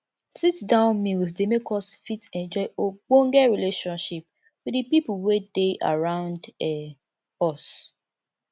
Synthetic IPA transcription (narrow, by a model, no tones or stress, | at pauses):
sitdãʊ̃nmils̬demekʰɔsfitɛ̃nd͡ʒɔɪoɡ͡bõŋɡɛɹileʃɔ̃nʃip̚ | widipipulwedeʔa̰ɹãʊ̃ndɛ | ɔs